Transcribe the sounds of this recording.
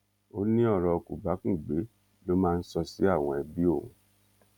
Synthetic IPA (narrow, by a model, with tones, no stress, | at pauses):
o˦nĩ˦ɔ˦˨ɾɔ˧ku˨ba˨˦kũ˦˨ɡ͡be˨˦ | lo˦mãː˦˧n̩˦sɔ˧si˨˦a˦˨w̃ɔ̃˧ɛ˧bi˦õ˦˨